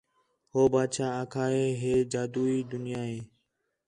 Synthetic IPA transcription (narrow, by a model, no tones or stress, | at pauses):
hoːbaːd̪ʃaːaːkʰaːɦeːɦeːd͡ʒaːd̪uːiːd̪ʊnɪjaːɦeː